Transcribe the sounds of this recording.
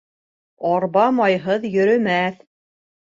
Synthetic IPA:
ɒɾβɑmɑjɦɤðjɵ̆ɾɵ̆mæθ

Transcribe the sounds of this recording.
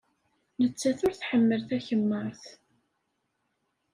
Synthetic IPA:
nət͡sːæθʊɾθħəmːəlθæçəmːəɾˤθ

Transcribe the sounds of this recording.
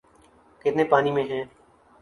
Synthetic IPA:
kɪt̪neːpaːniːmẽːɦɛ̃ː

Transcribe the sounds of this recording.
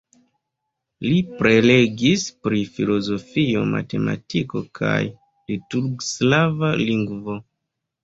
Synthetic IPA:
lipɾe̞le̞ɡispɾifilo̞zo̞fio̞̰ma̰te̞ma̰tiko̞kʰa̰j | lituɾɡslavaliŋɡvo̞

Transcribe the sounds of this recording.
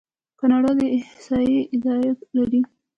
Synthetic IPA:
kɑnɑɽɑd̪əɪhɪsɑjiɪd̪ɑjat̪laɾi

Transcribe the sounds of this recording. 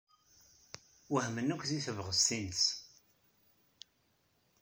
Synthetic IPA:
wəhmənːækʷːθiθəvʁəsθinəs

